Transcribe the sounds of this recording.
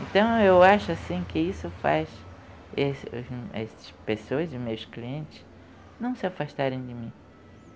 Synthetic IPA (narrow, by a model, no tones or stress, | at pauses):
ẽnt̪ɐ̃w̃ewaʃʊasĩkɪisʊfa̰s | esʊ̰zɛ̰sɪ̥spesoɐzʊmejʊskliẽnt͡ʃ̪ɪs | nɐ̃w̃sɪafaʃt̪aɾẽj̃d̪ɪmĩ